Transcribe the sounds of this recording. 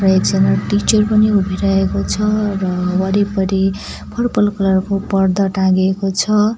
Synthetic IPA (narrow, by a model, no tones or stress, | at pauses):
rʌeksenʌʈit͡ʃʌrpʌniubʱiɾʌɦekot͡sʰʌrʌwʌɾipʌɾi | pʰʌrpʌlkʌlʌrkopʌrd̪ʌʈãɡekot͡sʰʌ